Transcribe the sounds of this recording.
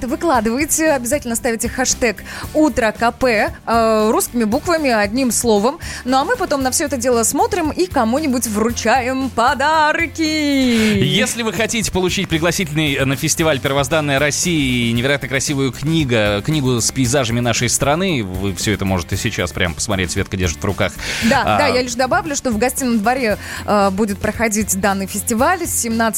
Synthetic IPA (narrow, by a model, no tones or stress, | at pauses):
ɛt̪əvɨklˠad̪ɨvəjɪt͡sʲɪɐbʲɪzatʲɪlʲnəst̪avʲɪtʲɪxɐʂt̪ɛkut̪ɾəkɐpɛ | ruskʲɪmʲɪbukvəmʲɪɐdʲnʲimslˠo̞vəmnoɐmɨpɐt̪o̞mnɐfsʲɵɛt̪̬ədʲelˠəsmo̞t̪ɾʲɪmikɐmunʲɪbʊtʲvrʊt͡ɕæjɪmpɐd̪arkʲɪ | jesʲlʲɪvɨxɐtʲitʲɪ̥pəlˠʊt͡ɕitʲpɾʲɪɡlˠɐsʲitʲɪlʲnɨjnəfʲɪsʲtʲɪvalʲpʲɪrəvɐzd̪anːəjəɾɐsʲːijənʲɪvʲɪɾɐjat̪nəkɾɐsʲivʊjʊknʲiɡəknʲiɡʊspʲɪːzaʐəmʲɪnaʂəjst̪ɾɐnɨvɨfsʲɵɛt̪əmo̞ʐɨt̪ɨɪsʲɪt͡ɕa̰spɾʲʔa̰mpə̥smɐt̪ɾʲetʲsvʲe̞t̪kədʲeʐət̪vrʊkaxd̪adajalʲɪʂd̪ɐbavlʲʊʂt̪ovɡɐsʲtʲijnːəmd̪vɐɾʲeəbudʲɪt̪̚pɾəxɐdʲitʲd̪anːɨjfʲɪsʲtʲɪvalʲsʲːɪmnat̪s